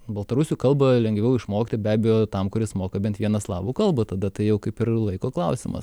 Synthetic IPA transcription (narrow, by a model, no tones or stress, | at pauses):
bɐlˠt̪ɐɾʊsʲuːkɐlˠbɐlʲɛŋɡʋʲɛʊɪʃmoːkʲɪt̪ʲɪbʲæːbʲɛjoːt̪ɐmkʊɾʲɪsmoːkɐbʲɛnt̪ʋʲiɛnɐslˠɑːbuːkɐlˠbɐt̪ɐd̪ɐt̪ɐɪjɛʊkɐɪpɪɾlˠɐɪkoːklˠɐʊsʲɪmɐ̰s